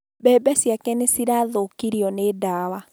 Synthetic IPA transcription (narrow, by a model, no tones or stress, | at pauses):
bɛːbɛsjakɛnesiɾaðokiɾiɔnedaːwa